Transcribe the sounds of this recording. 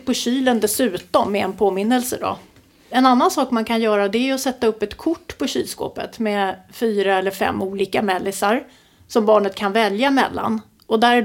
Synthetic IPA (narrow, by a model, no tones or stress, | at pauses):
pʰɔɕyːlənd̪ɛsʉ̟ːt̪ɔmːɛɛnpʰoːmɪnːəlsə̰d̪ɔ̰ | ɛnanːansɑːkmankʰanjœːɾad̪ɛæɾjɵɔsɛt̪ːaɵpːɛt̪kʰʊʈːpʰɔɕy̰ːlsko̰ːpə̰t̪mɛfyːɾaɛlːəɾfɛ̰mːuːliːkamɛlːɪsaɾ | sɔmbɑːɳət̪̚kʰanvɛljamɛ̰lːa̰n | ʔɔd̪æɾæ